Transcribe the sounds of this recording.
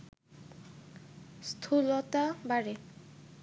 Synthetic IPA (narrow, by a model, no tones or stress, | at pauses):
st̪ʰulot̪abaɾe